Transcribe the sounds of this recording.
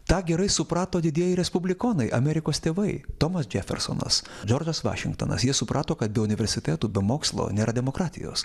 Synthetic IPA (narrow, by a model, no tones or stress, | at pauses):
t̪ɑːɡʲɛɾɐɪsʊpɾɑːt̪oːd̪ʲɪd̪ʲiɛjɛɪɾʲɛspʊbʲlʲɪkoːnɐɪʔɐmʲɛɾʲɪkoːst̪ʲeːʋɐɪt̪oːmɐsd͡ʒʲæfʲɛ̰ɾso̰ːnɐ̰sd͡ʒoːɾd͡ʒɐsʋɑ̰ːʃʲɪ̰ŋkt̪o̰ːnɐ̰sjiɛsʊpɾʔɑːt̪oːkɐt̪̚bʲɛʊnʲɪʋʲɛɾʲsʲɪt̪ʲæːt̪uːbʲɛmoːkslˠo̰ːnʲeːɾɐdʲɛmoːkɾɑːt̪ʲɪ̰jo̰ːs